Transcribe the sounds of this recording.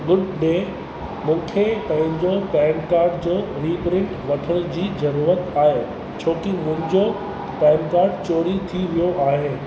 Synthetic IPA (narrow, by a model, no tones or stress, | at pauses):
ɡʊɖɖeː | mũːkʰepɐ̃ɦɪ̃ɲd͡ʑopɛ̃ːnkaːɾɖd͡ʑoː | ɾiːpɾɪ̃ɳʈʋɐʈʰəɽ̃ʊd͡ʑiːzɐɾuːɾət̪aːɦeː | t͡ɕʰoːkimʊ̃ɦɪ̃ɲd͡ʑo | pɛ̃ːnkaːɾɖt͡ɕoːɾit̪ʰiʋijoʔaːɦeː